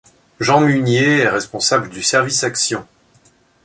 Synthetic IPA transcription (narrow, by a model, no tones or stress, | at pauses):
ʒɑ̃mynjeɛʁɛspɔ̃sabləd̪ysɛʁvisaksjɔ̃